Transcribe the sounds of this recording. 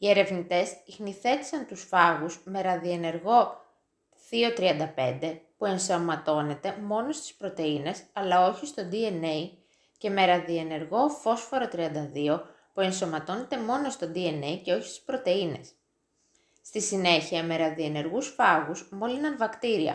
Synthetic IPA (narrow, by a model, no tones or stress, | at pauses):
ie̞ɾe̞vnit̪e̞sixniθe̞t̪i̥sɐnt̪usfɐɣuzme̞ɾɐðiene̞ɾɣo̞ | ðio̞t̪ɾiɐnd̪ɐpe̞̰nd̪e̞pue̞nsomɐt̪o̞ne̞t̪e̞mo̞no̞st̪i̥spɾo̞t̪e̞ine̞sɐlɐo̞çist̪o̞d̪ie̞nei | ce̞me̞ɾɐðie̞ne̞ɾɣo̞fo̞sfo̞ɾot̪ɾiɐnd̪ɐðio̞ | pue̞nsomɐt̪o̞ne̞t̪e̞mo̞no̞st̪o̞d̪ie̞ne̞jce̞o̞çi̥st̪u̥spɾo̞t̪e̞ine̞̰s | st̪isine̞çiɐme̞ɾɐðie̞ne̞ɾɣusfɐɣuzmo̞linɐɱvɐkt̪iɾiɐ̰